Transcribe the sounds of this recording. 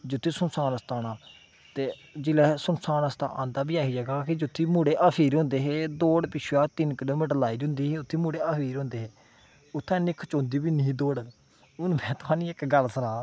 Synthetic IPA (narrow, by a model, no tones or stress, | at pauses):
d͡ʒʊt̪ʰːiːsʊnsaːnəst̪aːnaː | t̪eːd͡ʒɪlɛːsʊnsaːnəst̪ã̰ːʔã̰ːnd̪aːbiːaːɦiːd͡ʒəɡaːkɪd͡ʒʊt̪ʰːiːmũːɽeːʔaːpʰiːɾɦõːnd̪eːɦeːd̪oːɽpɪʃʰjaːt̪ɪnkɪloːmiːʈəɾlaːiːd͡ʒʊ̃ːnd̪iːɦeːʊt̪ʰːiːmuːɽeːaːpʰiːɾɦõːnd̪eːɦeː | ʊt̪ʰːẽːnɪkʰt͡ʃõːnd̪iːbiːnĩːd̪oːɽ | ʊnmɛ̃ːt̪ʊɦãːnĩːɪkɡəlsənaː